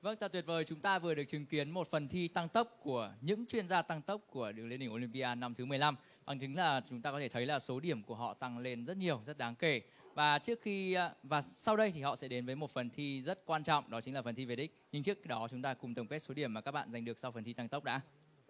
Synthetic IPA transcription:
və˧ŋt̪aː˨˧˩t̪wi˨˩ət̚vəː˨˩jt͡ɕʊ˨˦ŋ͡mt̪aː˧vɨ˨˩əɗɨ˨˩ək̚t͡ɕï˨˦ŋki˨˦ənmo˨˩t̚fə˨˩nt̪ʰi˧t̪a˧ŋt̪ə˦˥wp̚ku˧˩əɲɨ̰˧˥ŋt͡ɕwi˧ənzaː˧t̪a˧ŋt̪ə˦˥wp̚ku˧˩əɨ˨˩k̚li˧nɗï˨˧˩ŋʔo˧li˧mpi˧ʔaː˧na˧mt̪ʰɨ˨˦m˨˩jla˧m | ɓa̰˧˩ŋt͡ɕï˨˦ŋ̟laː˨˩t͡ɕʊ˨˦ŋ͡mt̪aː˧kɔ˦t̪ʰe˧˩t̪ʰə˨˦jlaː˨˩so˨˦ɗi˧˩əmku˧˩əɦɔ̰˧˨t̪a˧ŋle˧nzə˦˥t̚ɲi˨˩əwzə˦˥t̚ɗaː˨˦ŋke˧˩ | vaː˨˩t͡ɕɨ˦˥ək̚xi˧vaː˨˩sa˧wɗə˧jt̪ʰi˨˩ɦɔ̰˧˨sɛ̰˧˥ɗe˨˦nvəː˨˦jmo˨˩t̚fə˨˩nt̪ʰi˧zə˦˥t̚kwaː˧nt͡ɕɔ̰˧˨wŋ͡mɗɔ˨˦t͡ɕï˨˦ŋ̟laː˨˩fə˨˩nt̪ʰi˧˩ve˨˩ɗï˦˥k̟̚ɲɨ˧ŋt͡ɕɨ˦˥ək̚ɗɔ˨˦t͡ɕʊ˨˦ŋ͡mt̪aː˧kʊ˨˩ŋ͡mt̪ə˨˩ŋ͡mke˦˥t̚so˨˦ɗi˧˩əmːaː˨˩kaː˦˥k̚ɓa̰ː˧˨za˨˩ŋ̟ɗɨ˨˩ək̚sa˧wfə˨˩nt̪ʰi˧t̪a˧ŋt̪ə˦˥wk͡p̚ɗa̰ː˧˦˥

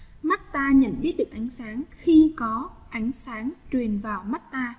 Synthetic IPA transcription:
ma˦˥t̚t̪aː˧ɲə̰˧˨nɓi˦˥ət̚ɗɨ˨˩k̚ʔa˨˦jŋ̟saː˨˦ŋxi˧kɔ˨˦ʔa˨˦jŋ̟saː˨˦ŋt͡ɕwi˨˩ənvaː˨˩wma˦˥t̚t̪aː˧

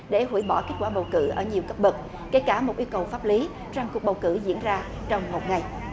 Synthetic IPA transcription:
ɗe˧˩hṵ˧˩˥jɓɔ˧˩ke˦˥t̚kwaː˧˩ɓə˨˩wkɨ̰˧˩ʔəː˧˩ɲi˨˩əwkə˦˥p̚ɓɨ˨˩k̚ | ke˧˩jkaː˧˩mo˨˩t̚ʔi˧wkə˨˩wfaː˦˥p̚li˨˦ | t͡ɕa˧˩ŋku˨˩ək̚ɓə˨˩wkɨ˧˩zḭ˧˥ənzaː˧ | t͡ɕɔ˧wŋ͡mmo˨˩t̚ŋa˨˩j

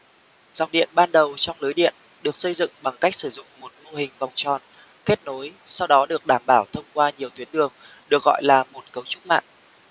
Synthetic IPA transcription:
z̥a̰˨˩ŋ͡mɗḭ˧˨ənɓaː˧nɗə˨˩wt͡ɕɔ˧wŋ͡mləː˨˦jɗḭ˧˨ən | ɗɨ˨˩ək̚sə˧jzɨ̰˧˨ŋɓa˨˩ŋka˦˥jk̚sɨ˧˩zʊ̰˧˨ŋ͡mmo˨˩t̚mo˧ɦï˨˩ŋ̟va˨˩wŋ͡mt͡ɕɔ˨˩n | ke˦˥t̚no˨˦jsa˧wɗɔ˨˦ɗɨ˨˩ək̚ɗaː˧˩mɓaː˧˩wt̪ʰə˧wŋ͡mkwaː˧ɲi˨˩əwt̪wi˨˦ənɗɨ˨˩əŋ | ɗɨ˨˩ək̚ɣɔ̰˧˨jlaː˨˩mo˨˩t̚kə˨˦wt͡ɕʊ˦˥k͡p̚ma̰ː˧˨ʔ

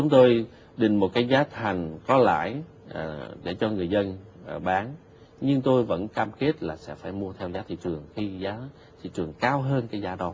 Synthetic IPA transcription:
t͡ɕʊ˨˦ŋ͡mt̪o˧j | ɗï˨˩ŋ̟mo˨˩t̚kaː˨˦jzaː˨˦t̪ʰa˨˩jŋ̟kɔ˨˦la̰ː˧˨j | ʔɗe˧˩t͡ɕɔ˧ŋɨ˨˩əjzə˧n˨˩ɓaː˨˦n | ɲɨ˧ŋt̪o˧jvə̰˧˥nkaː˧mke˦˥t̚laː˨˩sɛ̰˧˥faː˧˩jmu˧ət̪ʰɛ˧wzaː˨˦t̪ʰḭ˧˨t͡ɕɨ˨˩əŋxi˧zaː˨˦ | t̪ʰḭ˧˨t͡ɕɨ˨˩əŋkaː˧wɦəː˧nkaː˨˦jzaː˨˦ɗɔ˨˦

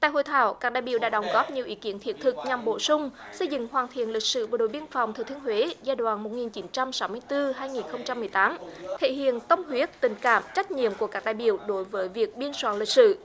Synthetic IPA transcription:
t̪a̰ː˧˨jho̰˧˨jt̪ʰa̰ː˧˨wkaː˦˥k̚ɗa̰ː˧˨jɓḭ˧˨˩wɗa̰ː˧˥ɗə˨˦wŋ͡mɣɔ˦˥p̚ɲi˨˩əwʔi˨˦ki˨˦ənt̪ʰi˨˩ət̚t̪ʰɨ˨˩k̚ɲa˨˩mɓo̰˧˨sʊ˧ŋ͡m | sə˧jzɨ̰˧˨ŋhwaː˨˩nt̪ʰḭ˧˨ənli˨˩k̚sɨ̰˧˨vəː˧˩ɗo̰˧˨jɓi˧ənfɔ˨˩wŋ͡mt̪ʰɨ˨˩t̪ʰi˧˦ənhɦwe˨˦zaː˧jɗwaː˧˩nmo˨˩t̚ŋi˨˩nt͡ɕi˨˦nt͡ɕa˧msa˨˦wmɨ˧əjt̪ɨ˧ɦaː˧jŋi˨˩nxə˧wŋ͡mt͡ɕa˧mːɨ˨˩əjt̪aː˨˦mt̪ʰḛ˧˨hḭ˧˨ənt̪ə˧wŋ͡mhwi˨˦˥ət̚t̪ï˨˩ŋ̟ka̰ː˧˨mt͡ɕa˦˥jk̟̚ɲḭ˧˨əmku˧˩əkaː˦˥k̚ɗaː˧˨jɓḭ˧˨əwɗo˨˦jvəː˨˦jvi˨˩ək̚ɓi˧ənswa̰ː˧˨nlï˨˩k̚sɨ̰˧˨

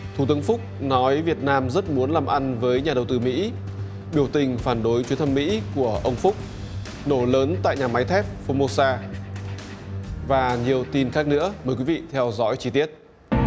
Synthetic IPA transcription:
t̪ʰu˧˩t̪ɨ˨˦əŋfʊ˦˥k͡p̚nɔ˨˦jvi˨˩ət̚naː˧mzə˦˥t̚mu˨˦ənlaː˨˩mʔa˧nvəː˨˦jɲaː˨˩ɗə˨˩wt̪ɨ˧˩mḭ˧˥ | ɓi˧˩əwt̪ï˨˩ŋ̟faː˧˩nɗo˨˦jt͡ɕwi˨˦ənt̪ʰə˧mːḭ˧˥ku˧˩əʔə˧wŋ͡mfʊ˦˥k͡p̚ | no˧˩ləː˨˦nt̪a̰ː˧˨jɲaː˨˩ma˨˦jt̪ʰɛ˦˥p̚fo˧mo˧saː˧ | vaː˨˩ɲi˨˩əwt̪i˧nxaː˦˥k̚nɨ̰˧˥əməː˨˩jkwi˨˦vḭ˧˨t̪ʰɛ˧wzɔ̰˧˥jt͡ɕi˧t̪i˦˥ət̚

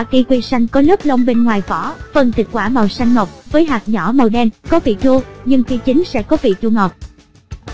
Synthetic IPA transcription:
a˧˩ki˧kwi˧sa˧jŋ̟kɔ˨˦lə˦˥p̚lə˧wŋ͡mɓe˧nŋwaː˨˩jvɔ˧˩˦fə˨˩nt̪ʰi˨˩k̚kwaː˧˩maː˨˩wsa˧jŋ̟ŋə˨˩k͡p̚vəː˨˦jɦaː˨˩k̚ɲɔ˧˩mə˨˩wɗɛ˧nkɔ˨˦vḭ˨t͡ɕu˧ɲɨ˧ŋfi˧t͡ɕï˨˦ŋ̟sɛ̰˧˥kɔ˨˦vḭ˧˨t͡ɕu˧ŋə˨˩k͡p̚

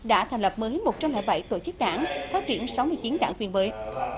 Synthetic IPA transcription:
ɗa̰ː˧˥t̪ʰa˨˩ŋlə˨˩p̚mə˨˦ɦi˨˦nmo˨˩t͡ɕa˧wla̰ː˧˩jɓa˧˩jt̪o̰˧˩t͡ɕɨ˦˥k̚ɗa̰ː˧˩˨ŋfaː˦˥t̚t͡ɕi˧˩ənsa˨˦wmɨ˧əjt͡ɕi˨˦nɗa̰ː˧˩ŋvi˧ənməː˨˦j

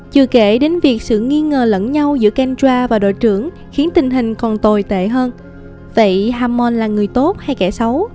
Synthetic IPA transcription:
t͡ɕɨ˨˩ke˧˩ɗe˨˦nvi˨˩ək̚sɨ̰˧˨ŋi˧ŋəː˨˩lə̰˧˥nɲa˧wzɨ̰˧˥əka˧nt͡ɕwaː˧vaː˨˩ɗo̰˧˨jt͡ɕɨ˧˩əŋ | xi˨˦ənt̪ï˨˩ŋ̟ɦï˨˩ŋ̟kɔ˨˩nt̪o˨˩jt̪ḛ˧˨ɦəː˧n | və̰˧˨jɦaː˧mɔ˧nlaː˨˩ŋɨ˨˩əjt̪o˦˥t̚ha˧jkɛ̰˧˩sə˨˦w

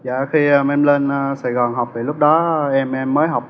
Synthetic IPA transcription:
jaː˨˩xi˧aː˧˩mɛ˧mləː˧nʔaː˧˩saː˨˩jɣɔ˨˩nɦa˨˩wp̚ɗaː˧˩lʊ˦˥k͡p̚ɗɔː˨˦ʔɛ˧mʔɛ˧mːəː˨˦jɦa˨˩wp̚

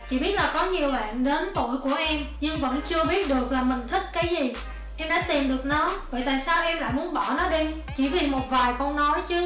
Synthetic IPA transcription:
t͡ɕḭ˧˨ɓi˦˥ət̚laː˨˩kɔ˨˦ɲi˨˩əwɓa̰ː˧˨nɗe˨˦nt̪o̰˧˨jku˧˩əʔɛ˧mɲɨ˧ŋvə̰˧˥nt͡ɕɨ˧əɓi˦˥ət̚ɗɨ˨˩ək̚laː˨˩mï˨˩ŋ̟t̪ʰï˦˥k̟̚kaː˨˦jzi˨˩ | ʔɛ˧mɗa̰ː˧˥t̪i˨˩mɗɨ˨˩ək̚nɔ˨˦və̰ː˧˨t̪a̰ː˧˨jsaː˧wʔɛ˧mla̰ː˧˨jmu˨˦ənɓɔ˧˩nɔ˨˦ɗi˧ | t͡ɕḭ˧˩vi˨˩mo˨˩t̚vaː˨˩jkɔ˧nnɔ˨˦jt͡ɕɨ˨˦

